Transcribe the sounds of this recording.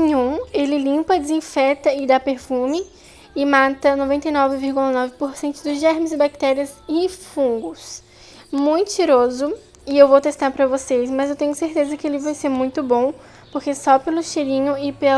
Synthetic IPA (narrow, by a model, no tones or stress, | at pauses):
ĩɲũelɪlĩmpɐd̪ɪzĩfɛt̪ɐɪd̪apeɾfũmɪ | ɪmãt̪ɐnovẽnt̪ejnɔvɪviɾɡulɐnɔvɪpoɾsẽnt̪ʊd̪ʊzʒɛɾmɪzɪbak̚t̪ɛɾiɐzɪ̃fũŋɡʊs | mũj̃t̪ʊ̥t͡ʃiɾozʊ | ɪewvowt̪est̪aɾpɾɐvosesmɐzewt̪ẽɲʊseɾt̪ezɐkɪelɪvajseɾmũj̃t̪ʊbõ | poɾkesɔpelʊʃeɾĩɲʊɪpe